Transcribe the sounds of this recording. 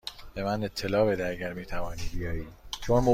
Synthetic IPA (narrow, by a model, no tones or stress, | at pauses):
b̥e̞mæne̞t̪ʰːe̞lɒːbed̪æɟæɾmiːt̪ʰævɒːniːd̪bijɒːiːd̪t͡ʃʰonmo